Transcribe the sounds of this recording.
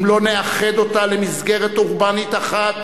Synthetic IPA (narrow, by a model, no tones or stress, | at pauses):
mlo̞neaχed̪o̞t̪alemizɡeʁet̪uʁbanit̪aχat̪